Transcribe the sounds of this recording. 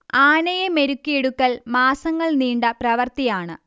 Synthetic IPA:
aːnɐjɐme̞ɾukːieɽukːɐlmaːsɐŋːɐɭniːɳɖɐprɐʋɐrt̪ijaːɳɨ

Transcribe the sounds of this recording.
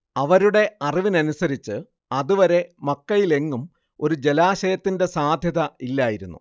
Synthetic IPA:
ɐʋɐɾuɽe̞ɐriʋinɐnusɐɾit͡ɕːɨ | ɐðuʋɐɾe̞mɐkːɐjile̞ŋːum | o̞ɾud͡ʑe̞laːɕɐjɐt̪ːinde̞saːd̪ʱjɐðɐilːaːjiɾunːṵ

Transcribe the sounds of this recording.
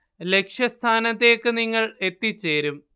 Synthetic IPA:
le̞kʂjɐst̪ʰaːnɐt̪ːe̞ːkːɨniŋːɐɭe̞t̪ːit͡ɕːe̞ːɾum

